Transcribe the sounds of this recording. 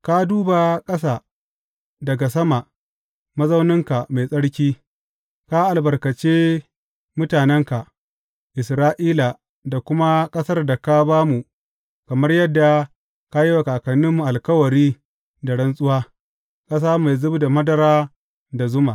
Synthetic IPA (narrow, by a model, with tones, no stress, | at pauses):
ka˦duː˦ba˨kʼɐ˦saː˦ | dɐ˨ɡa˨sɐ˦ma˨ʔ | mɐ˦zɐ˦wnɪ˦ŋka˨ma˨jsʼɐ˦ɽkʲiː˦ | ka˦ʔa˨lbɐ˨rkɐ˨t͡ʃeː˦ | mʊ˦taː˨nɛ˦ŋka˨ | ʔɪ˨sɾaː˦ʔiː˦la˨ | da˨kʷʊ˦ma˦kʼɐ˦sɐ˦rda˨ka˦baː˦mu˨ | kɐ˨mɐ˦rjɐ˦dːa˨ | ka˦ji˦wɐ˨kaː˨kɐ˨nːɪ˦mːu˨ʔa˨lkɐ˦wɐ˨ɾiː˦ | da˨ɽɐ˦nsʼʊ˦waː˦ | kʼɐ˦s̬aː˦ma˨jzʊ˦bda˨mɐ˦dɐ˨ɾaː˦ | da˨zʊ˦ma˨ʔ